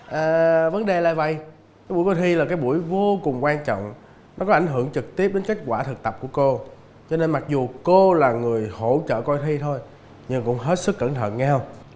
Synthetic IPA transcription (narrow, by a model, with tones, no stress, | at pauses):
ʔəː˨˩və˨˦nɗe˨˩la̰ː˨jvə̰˧˨j | kaː˨˦jɓu˧˩˦jkɔ˧jt̪ʰi˧laː˨˩kaː˨˦jɓu˧˩əjvo˧kʊ˨˩ŋ͡mkwaː˧nt͡ɕɔ̰˧˨wŋ͡m | nɔ˨˦kɔ˨˦ʔa˧˩jŋ̟ɦɨ˧˩əŋt͡ɕɨ˨˩k̚t̪i˦˥əp̚ɗe˨˦nke˦˥t̚kwaː˧˩t̪ʰɨ˨˩k̚t̪ə˨˩p̚ku˧˩əko˧ | t͡ɕɔ˧ne˧nma˨˩k̚zu˨˩ko˧laː˨˩ŋɨ˨˩əjho̰˧˩˥t͡ɕə̰ː˧˨kɔ˧jt̪ʰi˧t̪ʰo˧j | ɲɨ˧˩kʊ̰˧˥ŋ͡mɦe˦˥t̚sɨ˦˥kːəː˧˩nt̪ʰə̰ː˧˨nɲɛ˧w